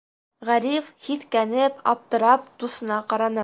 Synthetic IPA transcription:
ʁæɾifhit̪kænɘpɑ̰p̚t̪ɤ̆ɾɑp̚d̪usɤ̆nɑqɑɾɑnɤ

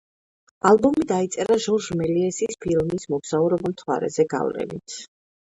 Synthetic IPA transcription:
albɔmid̪ait̪sʼɛɾaʒɔɾʒmɛliɛsispʰilmismɔɡz̥auɾɔbɔmt̪ʰwa̰ɾɛ̰zɛɡa̰vlɛ̰nḭt̪ʰ

